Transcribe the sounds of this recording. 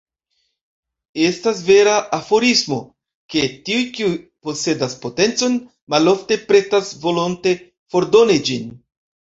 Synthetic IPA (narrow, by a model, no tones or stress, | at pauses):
e̞stas̬ve̞ɾaʔafo̞ɾismo̞̰ | ke̞tiujkiujpo̞se̞daspo̞te̞nt͡so̞n | malo̞fte̞pɾe̞tasvo̞lo̞nte̞ | fo̞ɾdo̞nid͡ʒin